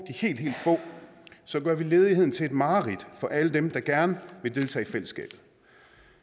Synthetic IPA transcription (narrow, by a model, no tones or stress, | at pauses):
d̥ihe̝̰ːld̥ɦḛːld̥fɔ̰̽ | sɒ̽ɡ̥ɶɐʋile̝ːð̞ˠihe̝ð̰ˠn̩t͡sʰe̝e̝d̥mɑ̈ːʁid̥fɒ̽ʔæləd̥emd̥ɑ̈ɡ̥æɐnəʋe̝d̥e̝lt͡sʰɛ̰ːfel̰əsɡ̥ɛ̰ːb̥ð̩ˠ